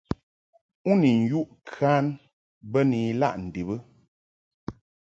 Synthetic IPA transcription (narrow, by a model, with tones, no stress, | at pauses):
u˦ni˨n̩˨ju˦ʔkʰa˦n | bə˦ni˨˦la̰˦ʔn̩˨di˨bə˦